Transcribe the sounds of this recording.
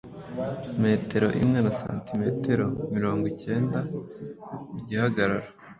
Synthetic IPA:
me̞ːtʰe̞ɾo̞̰ʔḭmŋe̞nasa̰ːntime̞te̞ɾo̞miɾo̞ːŋɡwice̞ːnda | uɟihaɡaɾaɾḁ

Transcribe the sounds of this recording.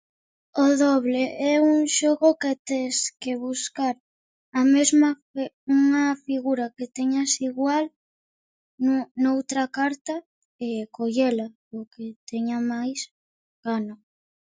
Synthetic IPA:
oðɔβleɛuŋʃoɣoket̪eskeβuskaɾ | ɐmezma | uŋɐfiɣuɾaket̪eɲasiɣwal | nunowt̪ɾakaɾt̪a | ekoʎela | oket̪ɛɲamajs | ɡ̥ano

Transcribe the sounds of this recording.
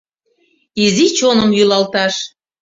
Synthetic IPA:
izit͡ɕonəmjylɑlt̪ɑʃ

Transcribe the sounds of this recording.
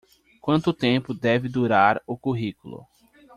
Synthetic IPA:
kwɐ̃nt̪ʊt̪ẽpʊd̪ɛvɪd̪uɾaɾʊkuɦikulʊ̰

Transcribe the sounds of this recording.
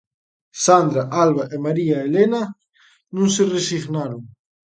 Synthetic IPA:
sand̪ɾaʔalβaʔemaɾiaelena | nũnseresiɣnaɾoŋ

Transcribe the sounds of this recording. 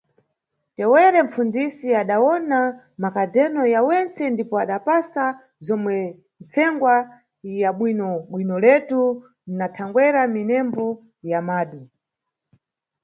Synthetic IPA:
tɛwɛɾɛɱ̩fund͡zisiaɗawɔna | makadɛnɔjawɛnt͡sɛndipɔaɗapasa | zɔmwɛ | nt͡sʰɛŋɡwa | jaɓwinɔɓwinɔlɛtu | natʰaŋɡwɛɾaminɛmbɔ | jamaːɗu

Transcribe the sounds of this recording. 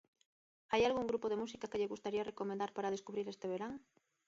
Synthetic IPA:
ajalɣuŋɡɾupoðemusikakeʎeɣust̪aɾiarekomẽnd̪aɾpaɾað̞eskuβɾiɾest̪eβ̞eɾaŋ

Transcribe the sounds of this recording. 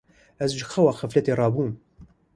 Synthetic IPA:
æzʒxɐwɑxəflɛt̪erˤɑːbuːm

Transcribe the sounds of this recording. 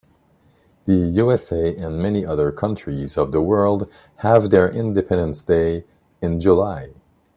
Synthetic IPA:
ðɨjuɛseɪɨ̃nmɛniʔʌðə˞kʰʌ̃nt͡ʃɹ̥izʌvðəwɜ˞lˠd̚ | həvðə˞ʔɪ̃ndɨpʰɛ̃ndə̃nsd̥eɪ | ɨ̃nd͡ʒulaɪ

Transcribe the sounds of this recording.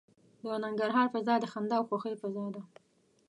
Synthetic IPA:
d̪ənaŋɡaɾɦɑɾfazɑd̪əxand̪ɑwxoxəjfazɑd̪a

